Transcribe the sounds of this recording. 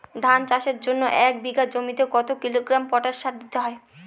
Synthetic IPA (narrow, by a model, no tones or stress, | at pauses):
d̪ʱant͡ɕaʃeɾd͡ʑonːoʔɛk̚biɡad͡ʑomit̪ekɔt̪okiloɡɾampɔʈaʃːaɾd̪it̪eɦɔe